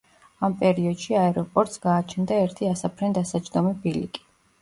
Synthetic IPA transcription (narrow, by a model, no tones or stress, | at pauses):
ampʼɛɾiɔd̪ʃiaɛɾɔpʼɔɾt̪ʼsɡ̥aːt͡ʃʰɛnd̪aɛɾt̪ʰiasapʰɾɛnd̪asad͡ʒd̪ɔmibilḭkʼi̥